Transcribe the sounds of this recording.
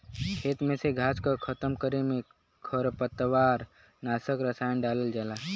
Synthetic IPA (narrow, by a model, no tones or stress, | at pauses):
kʰeːt̪mẽseɡʱaːt͡ʃkakʰət̪əmkəɾemẽ | kʰəɾpət̪ʋaːɾ | naːsəkɾəsaːjənɖaːləld͡ʒaːla